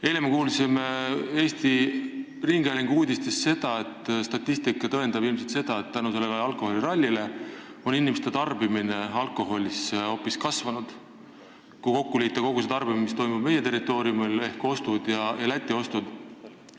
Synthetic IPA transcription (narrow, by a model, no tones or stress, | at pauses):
e̞ːlemekuːlsimee̞ːst̪i | riŋɡ̥eliŋɡ̥uːd̪ʲist̪esːe̞d̪̥ɑe̞t̪ːˑst̪ɑt̪ʲːˑist̪ikːˑɑt̪ɤend̪̥ɑbilmse̞lt̪se̞d̪̥ɑe̞t̪t̪ːænuse̞lːeleɑlkˑo̞ho̞lʲiɾɑlʲːile̞o̞ninːimest̪e̞t̪ɑrbimine̞ɑlkˑo̞ɦo̞lʲiso̞pːiskɑsvɑnud̪̥ | kuko̞kːuliːt̪ːˑɑko̞ɡuset̪ɑrbimimist̪o̞jmub̥̚me̞je̞t̪e̞ɾit̪ːˑo̞ːɾijumile̞hko̞st̪ud̪jɑjɑlæt̪ʲːˑio̞st̪ud̪̥